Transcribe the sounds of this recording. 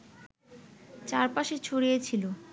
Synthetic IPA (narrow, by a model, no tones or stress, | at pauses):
t͡ɕaɾpaʃet͡ɕʰoɽijet͡ɕʰilo